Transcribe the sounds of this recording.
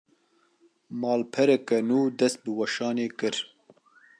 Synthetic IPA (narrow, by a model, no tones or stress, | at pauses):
mɑːlpʰɛɾɛkɛnuːd̪ɛst̪̚bɨwɐʃɑːneːkɨɾ